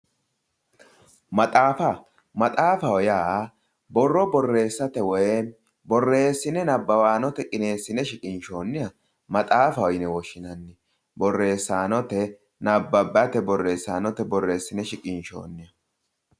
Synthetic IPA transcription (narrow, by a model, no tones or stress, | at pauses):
mɐt̪ʼaːfa | mɐt̪ʼaːfɐwɔjaː | bɔrːɔbɔrːe̞ːsːɐt̪ɛwɔj | bɔrːe̞ːsːɪnɛnɐbːɐwaːnɔt̪ɛkʼɪne̞ːsːɪnɛʃɪkʼɪnʃo̞ːnːɪjɐ | mɐt̪ʼaːfɐwɔjnɛwɔʃːɪnɐnːɪ | bɔrːe̞ːsːaːnɔt̪ɛ | nɐbːɐbːɐt̪ɛbɔrːe̞ːsːaːnɔt̪ɛbɔrːe̞ːsːɪnɛʃɪkʼɪnʃo̰ːnːɪjɐ